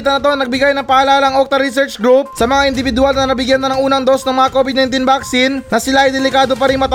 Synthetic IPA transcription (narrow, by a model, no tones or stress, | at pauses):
t̪ɐnɐt̪o̞ŋnɐɡ̚bɪɡajnɐŋpɐʔɐlaːlɐɐŋʔok̚t̪ɐɾisɛɹt͡ʃɡɾup̚sɐmɐŋaʔɪnd̪ɪbɪd̪ʊalnɐnɐbɪɡjanːɐnɐŋʔuːnɐɐŋd̪o̞snɐŋmɐŋako̞bɪd̪nɐajnt̪̬inbaksinːɐsɪlaʔɐjd̪ɛlɪkaːd̪o̞p̬ɐɾɪŋmɐt̪